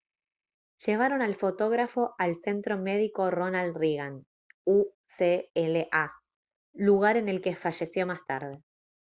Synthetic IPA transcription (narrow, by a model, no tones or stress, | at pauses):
ʒ̥e̞β̞aɾo̞nalfo̞t̪o̞ɣɾafo̞ʔalse̞nt̪ɾo̞meðiko̞ro̞nald̪riɣan | u | seeleʔa | luɣaɾe̞ne̞lkefaʒe̞sjo̞mast̪aɾð̞e̞